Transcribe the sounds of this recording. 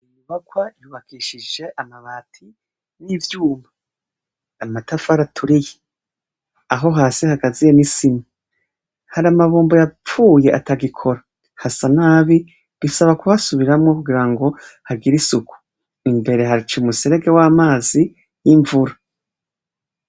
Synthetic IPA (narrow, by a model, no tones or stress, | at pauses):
imuβaɡwajuβakʰiʃid͡ʒe̞ʔamaβaːtʰi | nivjuːmba | amatafaɾatʰuɾije | aɦo̞ɦaːsihaɡazije̞nisima | haɾamaβuːmbojap͡fuːje̞ʔataɡikʰo̞ɾa | hasanaːβi | βisaβakuβasuβiɾamŋo̞kuɡiɾaŋɡo̞haɡiɾisuku̥ | imbe̞ɾe̞haɾit͡ʃumuseɾe̞ɡe̞waːmaːzi | jiɱvuɾa